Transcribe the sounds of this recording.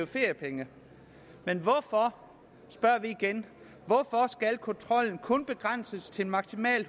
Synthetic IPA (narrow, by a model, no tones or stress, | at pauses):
fe̝ɐjəpʰeŋə | menʋɒfɒ | sb̥ɶɐʋiːɡ̥en | ʋɒfɒ̽sɡ̥ælkʰɔ̽nt͡sʰʁɒ̽l̰n̩kʰɔ̽nb̥e̝ɡ̥ʁan̰səst͡sʰe̝mɑ̈ɡ̥simɛ̰ːl